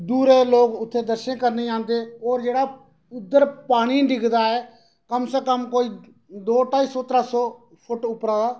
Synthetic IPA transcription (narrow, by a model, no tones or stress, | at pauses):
d̪uːɾeːloːkʊt̪ʰːeːd̪əɾʃə̃kəɾneiːãːnd̪eːɔːɾd͡ʒeːɽaː | ʊd̪ːəɾpaːɽ̃iːɖɪɡd̪aːɛː | kəmseːkəmkoːiː | d̪oːʈaːiːsɔːt̪əɾaːsɔː | pʰʊʈʊpɾaːd̪aː